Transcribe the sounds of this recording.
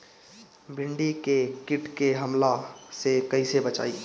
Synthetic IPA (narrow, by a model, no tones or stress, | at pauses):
bʱɪɳɖikekiʈkeɦəmlasekəisebət͡ʃa̰ːi